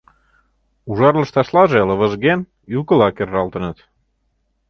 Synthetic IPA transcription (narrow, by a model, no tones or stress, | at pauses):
uʒɑrlə̆ʃt̪ɑʃlɑʒelə̆βə̆ʒɣen | ylkəlɑkerːɑlt̪ə̆nə̆t̪